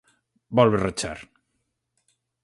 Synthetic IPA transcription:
bɔlβerət͡ʃa̰ɾ

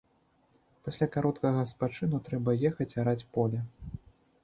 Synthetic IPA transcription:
pasʲlʲakaɾɔt̪kɐɣɐspat͡ʂɨnut̪ɾɛbɐjɛxɐt͡sʲaɾat͡sʲpɔlʲɛ

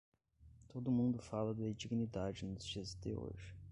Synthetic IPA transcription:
t̪od̪ʊmũnd̪ʊfalɐd̪ɐid͡ʒiɡnid̪ad͡ʒɪnʊzd͡ʒiɐzd̪ɪo̰ʒɪ

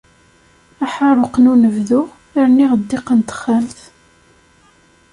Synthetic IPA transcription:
æħɑɾˤoqnunəvðu | aɾniʁəd̪ːɪqənt̪ə̥χːæmθ

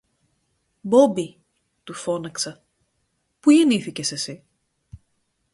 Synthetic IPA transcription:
bo̞bi | t̪ufo̞nɐksɐ | puʝeniθice̞se̞si

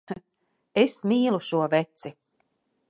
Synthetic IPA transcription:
esmiːlˠuʃuɔvɛt̪si

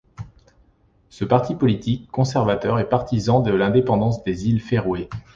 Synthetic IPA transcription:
səpaʁt̪ipɔlit̪ikːɔ̃sɛʁvat̪œʁɛpaʁt̪izɑ̃d̪əlɛ̃d̪epɑ̃d̪ɑ̃sd̪ezilfeʁwe

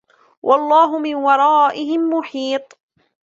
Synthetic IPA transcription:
wʔɑlˤːɑːɦʊmɪnwɑɾˤɑːʔɪɦɪmːʊħiːt̪ˤ

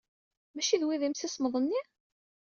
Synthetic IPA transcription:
mæʃiðwiðimsisməðˤənːi

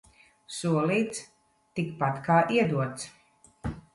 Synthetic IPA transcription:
suɔlˠiːt̪s | t̪ikpat̪kaːʔiɛd̪uɔt̪s

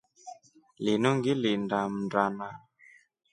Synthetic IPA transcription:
linuŋɡilindam̩ndɾana

